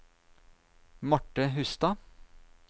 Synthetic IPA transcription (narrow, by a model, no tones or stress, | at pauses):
mɔʈːəɦʉst̪ɑ